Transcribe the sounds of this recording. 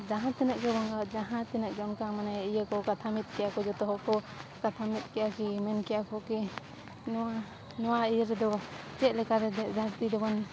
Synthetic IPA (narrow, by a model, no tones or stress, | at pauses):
d͡ʒaɦãt̪ɛnəʔkɛbɔŋɡad͡ʒaɦãt̪ɛnək̚d͡ʒɔnkaŋmanaijəkɔkat̪ʰamit̪̚ˀkɛjakɔd͡ʒɔt̪ɔɦɔkɔ | kat̪ʰamit̪̚ˀkɛʔakimɛnkɛjakʰɔkɛ | nɔa | nɔwaijəɾɛd̪ɔ | t͡ʃɛt̪̚lɛkaɾɛd̪ɛd̪ʱaɾt̪id̪ɔbɔn